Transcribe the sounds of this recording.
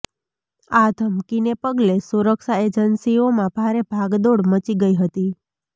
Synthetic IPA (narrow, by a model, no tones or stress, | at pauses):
ad̪ʱəmkinepəɡlesuɾəkʃaed͡ʒənsiomãb̥ʱaɾebʱaɡd̪oɽmət͡ʃiɡəiɦət̪i